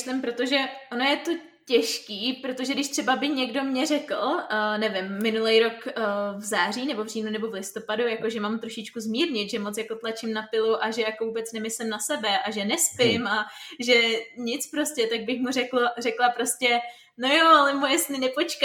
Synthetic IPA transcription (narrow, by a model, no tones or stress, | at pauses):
ʃlɪmpɾo̞t̪o̞ʒɛʔo̞no̞jɛt̪o̞ | cɛʃkiːpɾot̪o̞ʒɛdɪʃt̪r̥ɛbabɪɲɛɡdo̞mɲɛrɛkl̩nɛvɪmːɪnulɛjɾo̞kvzaːr̝iːnɛbo̞vriːnunɛbo̞vlɪst̪o̞padujako̞ʒɛmamt̪ɾo̞ʃɪt͡ʃkuzmiːɾɲɪt̪ʒɛmo̞t͡sjako̞t̪lat͡ʃɪmnapɪluʔaʒɛjakovuːbɛt͡snɛmɪslɪmnasɛbɛʔaʒɛnɛspɪmʔaʒɛɲɪt͡spɾo̞scʲɛt̪aɡ̚bɪxmurɛklorɛklapɾo̞scɛ | nojoalɛmojɛsnɪnɛpo̞t͡ʃka